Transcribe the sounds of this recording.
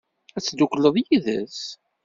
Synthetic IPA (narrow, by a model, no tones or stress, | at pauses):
æt͡sːd̪ukləðˤjiðə̰s